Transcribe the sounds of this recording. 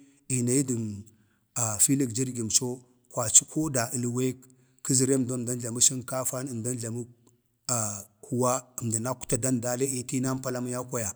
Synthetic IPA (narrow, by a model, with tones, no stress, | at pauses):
i˨na˨ji˦di˨n | a˨fi˦li˦kd͡ʒi˦ɾɡi˨m˨t͡ʃo˦ | kwa˨t͡ʃi˦kʰo˦da˨ʔi˨lwe˦kː | i˦zi˨ɾe˦˨mdo˦˨da˦nɮa˨mu˦ʃi˦nka˦fa˦nə˨mda˦nɮa˨mu˦ | a˨ | hu˨wa˦ə˨mda˨na˦ku̥˦ta˨da˦nda˦le˦i˦˨ti˦na˦pa˦la˦ma˦ja˦ka˦ja˨